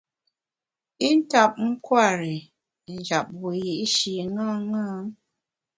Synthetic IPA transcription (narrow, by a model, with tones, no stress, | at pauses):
i˦n̩˦ta˨p̚ŋ̩˦kwa˦˨ɾi˨ | n˨d͡ʒa˨p̚wu˨ji˨ʔʃi˨ŋa˦ŋa˦ŋ